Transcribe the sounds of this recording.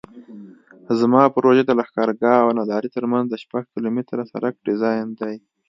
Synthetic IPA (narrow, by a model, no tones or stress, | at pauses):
zmɑpəɾoʒed̪alaxkɑɾɡɑːwnad̪ɑɾit̪əɾmanzd̪əʃpaɡkilomɪt̪ɾasa̰ɾʔak̚ɖɪzɑjnd̪aj